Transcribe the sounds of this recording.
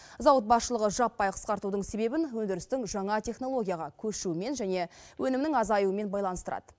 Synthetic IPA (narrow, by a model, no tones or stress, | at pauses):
zɑwət̪̚bɑsʃəlˠəʁəʒɑpːɑjqʰə̥sqɑɾt̪ud̪əɴse̞be̞bɪnwɵnd̪ɪɾɪst̪ɪŋʒɑɴɑt̪ʲʰe̞χno̞lˠo̞ɡʲijaʁɑkʲʰɵʃume̞nʒæne̞wʔɵnɪmnɪŋɑzɑjuəme̞nbɑjlˠɑnəst̪əɾɑ̰d̪ə̥